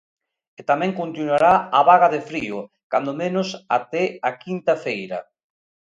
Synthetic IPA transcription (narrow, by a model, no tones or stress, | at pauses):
et̪amɛ̃ŋkont̪inwaɾaaβaɣaðefɾiʊ | ka̰nd̪omenʊsat̪ɛakint̪ɐfejɾɐ